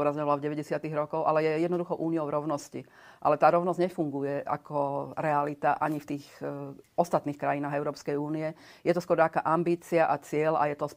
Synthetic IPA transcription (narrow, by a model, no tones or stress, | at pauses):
ɔɾazɲɔʋalavɟɛʋɛɟɛsɪat̪iɣɾɔkɔʊʔa̰lɛjɛjɛd̪nɔd̪uxɔʔuːniɔʊɾɔʊnɔsci | ʔa̰lɛt̪aːɾɔʊnɔzɟɲɛfuŋɡujɛa̰kʰɔɾɛalit̪aʔaɲift̪iːx | ɔst̪at̪niːxkɾajinaːɣɛʊɾɔːpskɛjuːniɛ | jɛt̪ɔskʊɔɾakaːʔambiːt͡siaʔat͡sɪɛla̰jɛt̪ɔs